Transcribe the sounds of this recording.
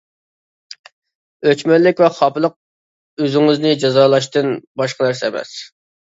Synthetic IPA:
øt͡ʃmɛllːɪkʲvɛχɑplˠəq̚ | øzɪŋɨznɪd͡ʒɑzɑːlˠɑʃt̪ɨnbɑʃqɑnæɾsɛːmɛ̰s

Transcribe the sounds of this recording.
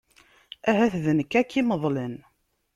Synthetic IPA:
æɦæθðənəkːækːiməðˤlən

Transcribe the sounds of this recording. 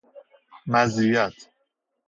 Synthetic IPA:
mæzijæt̪ʰ

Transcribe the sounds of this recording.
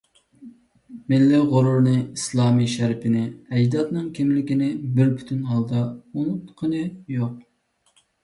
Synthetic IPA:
mɪlːɪʁʊɾuɾnɨislˠɑːmiʃæɾpʰɪnɪɛjd̪ɑt̪nɨŋkʲʰimlɪkʲinɪbɪɾpʰy̥t̪ʰynɦɑlˠd̪ɑunut̪qʰənɨjoq̚

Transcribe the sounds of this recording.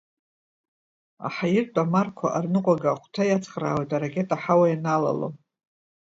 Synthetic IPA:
a̰ħajɪrtʷʼamarkʷʰaʔarnɨqʷʼaɡaχʷtʰajat͡sʰχra̰ːwejtʼaɾakʲʼe̞tʼaħawajanala̰lo̰

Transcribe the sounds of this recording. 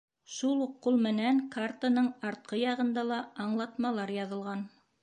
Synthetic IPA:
ʃulˠuqːulˠmɘ̆næŋkart̪anɤɴɑɾt̪̚qɤjɑʁɤ̆nd̪ɑlˠɑɑɴlˠɑt̪mɑlˠɑɾjɑðɤ̆lˠʁɑn

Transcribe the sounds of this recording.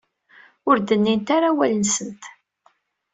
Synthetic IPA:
ʊɾd̪ənːint̪aɾawælənsənt̪

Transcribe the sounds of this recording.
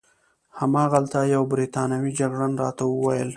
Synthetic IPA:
hamɑːɣalt̪ajawbɾit̪ɑnawid͡ʒaɡɽanɾɑt̪awəwajəl

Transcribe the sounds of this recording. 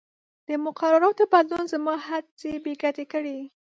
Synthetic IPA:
d̪̥əmʊqaɾaɾɑt̪obad̪lunzamɑhaɾt͡sebeɡat̪ekəɽi

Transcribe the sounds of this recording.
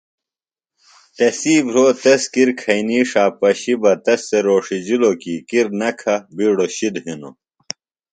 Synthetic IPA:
t̪ɐsiːbɾoːt̪ɐskiɾkʰɐiniːʂaːpɐɕibɐt̪ɐsːeɾoːʂid͡ʑilokiːkiɾnɐkʰɐbiːɽoɕid̪ɦino̰

